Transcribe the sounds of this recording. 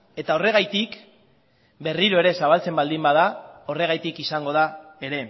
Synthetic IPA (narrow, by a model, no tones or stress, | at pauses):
e̞t̪ao̞re̞ɣajt̪ik | be̞riɾo̞e̞ɾe̞saβalt͡se̞mbald̪imbaðao̞re̞ɣ̞ajt̪ikisaŋɡo̞ð̞ae̞ɾe̞